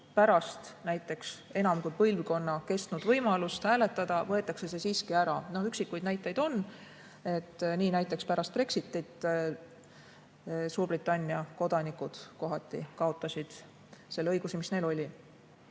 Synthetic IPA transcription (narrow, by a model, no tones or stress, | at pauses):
pæɾɑst̪næjt̪ːˑe̞kse̞nɑmkujpɤjlvko̞nːɑke̞st̪nud̪vɤjmɑlust̪hæːle̞t̪ːˑɑd̪̥ɑvɤe̞t̪ːˑɑkse̞se̞siːskiæɾɑnohyksikːˑujd̪næjt̪ˑːe̞jd̪o̞n | e̞t̪ːniːnæjt̪ːˑe̞kspæɾɑst̪̚pre̞ksit̪ːˑit̪ | suːrbrit̪ːˑɑnʲːiɑko̞d̪̥ɑnikud̪̥ko̞ɦɑt̪ːˑḭkɑo̞t̪ˑːɑsʲid̪̥ | se̞lːeɤjɡ̥usimisne̞lo̞lʲi